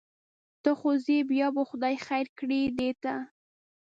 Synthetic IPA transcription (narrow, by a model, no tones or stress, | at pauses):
t̪əxozebjɑbəxʊd̪ɑjxajɾkɽid̪et̪a